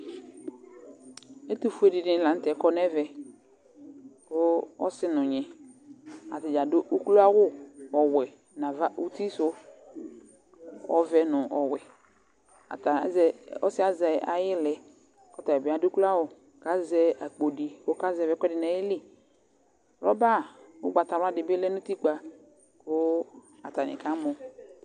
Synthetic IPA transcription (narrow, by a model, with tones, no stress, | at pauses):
e˦tu˦˨fu˦e˦˨dɪ˨nɪ˦˨lã˨n̩˦tɛ˨˦kɔ˦nɛ˦vɛ˨ | ko˦ɔ̰˦sɪ˦nʊ̃˨ɲɛ˨ | a̰˨tɪ˨d͡ʒa˨dʊ˦ʔu˦klu˦a˦wʊ˦ɔ˨wɛ˨ | nã˨va˦ʔu˦ti˦sʊ˦ | ɔ̰˦vɛ˦nʊ̃˨ʔɔ˨wɛ˨ | a̰˨ta˨˦zɛ˦ɔ˦sɪ˦a˦zɛ˨a̰˨jɪ˦lɛ˨ | kɔ˦ta˨ɛ˨bɪ˨˦a˨dʊ˦kula˦wʊ˨ | ka˦zɛ˦a˨k͡po˨di˨wo˦ka˦zɛ˨vɛ˦kʷɛ˦dɪ˨na˨˦ɪ˦li˦˨ | lɔ˦ba˦˨ʊ˦ɡ͡ba˨ta˨wa˦dɪ˨bɪ˦lɛ˦nʊ̃˦ti˦ɡ͡ba˨ | kʊ˦ | a˨ta˨nɪ̰˨ka˦mʊ˨